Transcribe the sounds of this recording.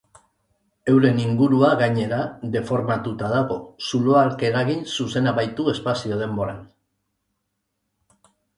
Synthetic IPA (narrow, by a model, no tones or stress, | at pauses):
e̞wɾe̞niŋɡuɾuaɣaɲe̞ɾaðe̞fo̞ɾmat̪ut̪aðaɣo̞suloalke̞ɾaɣinsuse̞naβajt̪ue̞spasio̞ð̞e̞mbo̞ɾan